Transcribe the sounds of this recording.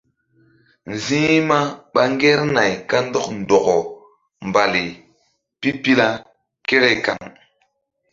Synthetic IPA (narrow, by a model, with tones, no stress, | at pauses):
n˨zĩ˦ma˦ɓa˦ŋɡe˦ɾna˨jka˦n˦do˦kn˨do˨ko˨ | mba˨li˨ | pi˦pi˦la˦ | ke˦ɾe˦ka̰˨ŋ